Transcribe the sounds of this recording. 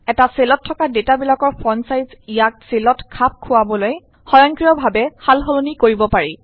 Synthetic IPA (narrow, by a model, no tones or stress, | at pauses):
ɛtaselɔtʰːɔkadetabilakɔɹpʰɔnsajzijak̚selɔtkʰap̚kʰʊwabɔloj | xɔjɔŋkɹijɔbʱabɛhalɦolonikoɹibɔpaɹi